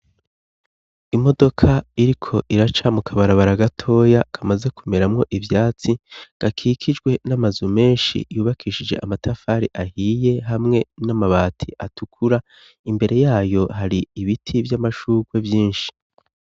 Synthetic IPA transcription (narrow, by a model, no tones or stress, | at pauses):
imo̞do̞kʰaiɾikʰo̞ʔiɾat͡ʃamukʰaβaɾaβaɾaɡatʰo̞ːjakʰamaze̞kume̞ɾamŋo̞ʔivjaːt͡siɡ̥akʰiːkʰid͡ʒɡwe̞namazume̞ːnʃḭjuːβakʰiʃid͡ʒe̞̰ʔamatʰafaːɾiʔahiːje̞ɦamŋe̞namaβaːtʰḭʔatukʰuɾa | imbe̞ɾʔe̞jaːjo̞ɦaɾiːβitʰivjamaʃuːɡwe̞vjiːnʃi̥